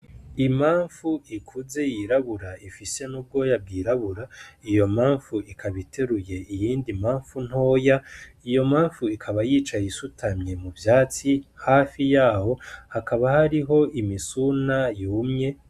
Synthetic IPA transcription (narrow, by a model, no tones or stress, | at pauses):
imaːɱfuikʰuze̞jiɾaβuɾaifise̞nub̚ɡo̞jab̚ɡiːɾaβuɾaijo̞maːɱfuikʰaβitʰe̞ɾuje̞ʔijiːndimaːɱfun̥o̞ːja | ijo̞maːɱfuikʰaβajiːt͡ʃajisutʰamɲe̞muvjaːt͡sihaːfijaːho̞hakaβahaɾiɦo̞ʔimisunajuːmɲe̞